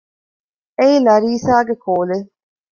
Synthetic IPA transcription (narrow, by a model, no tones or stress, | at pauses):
eilɐɾiːsaːɡekʰoːle